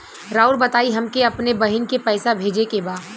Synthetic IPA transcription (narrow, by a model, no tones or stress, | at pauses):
ɾaːʊɾbɐt̪aːiɦɐmkeɐpnebɐɦɪnkepɛːsabʱeːd͡ʒekebaːd̪